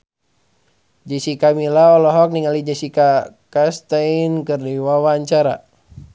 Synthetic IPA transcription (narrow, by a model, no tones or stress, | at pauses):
d͡ʒisikamilaɔlɔɦɔk̚niŋalid͡ʒɛsika | kast̪ainkɨrniwawaɲt͡ʃaɾa